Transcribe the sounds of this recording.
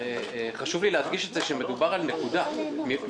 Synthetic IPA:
eχaʃuvlileɦatɡiʃe̞tzeʃeme̞d̪ubaʁalnekud̪ami

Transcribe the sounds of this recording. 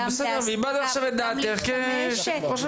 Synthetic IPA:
besɛd̪eʁveibad̪aχʃaved̪aːt̪eχke | ʃχoʃe

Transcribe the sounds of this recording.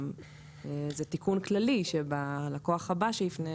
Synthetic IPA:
m | ezetikunklaliʃebalakoaχhabaʃelifne

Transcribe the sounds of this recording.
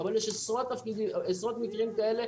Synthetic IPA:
avaljɛʃesʁot̪ːafkid̪iesʁot̪mikʁimkaele̞

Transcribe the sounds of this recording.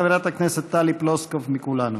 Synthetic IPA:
ʋɾʲat̪aknɛsɛt̪ːaliplɔskəfmikulano

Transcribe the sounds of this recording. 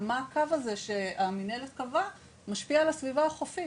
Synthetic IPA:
maːkavaze̞ʃe̞aminelet̪̚kava | maʃpialasvivaaχofi

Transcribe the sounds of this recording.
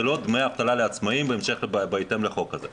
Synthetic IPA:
elo̞d̪mejaft̪alaleat͡smaimbeːmʃe̞χlbbajt̪emle̞χo̞kːaze

